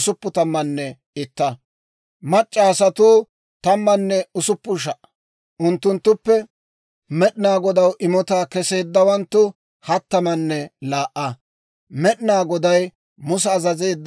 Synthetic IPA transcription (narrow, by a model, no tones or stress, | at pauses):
sʊpːʊt̪ɐmːɐnːɛ | ɪt̪ːɐ | mɐt͡ʃʼːɐːsɐt̪uː | t̪ɐmːɐnːɛʊsʊpːʊʃ̬ɐʔɐ̥ | ʔʊnt̪ːʊnt̪ːʊpːɛ | mɛɗɪnaːɡɔd̪ɐwʔɪmɔt̪aːkɛse̞ːd̪ːɐwɐnt̪ːʊ | hɐt̪ːɐmɐnːɛlaːʔɐ | mɛɗɪnaːɡɔd̪ɐj | mʊs̬ɛɐzɐzeːd̪ː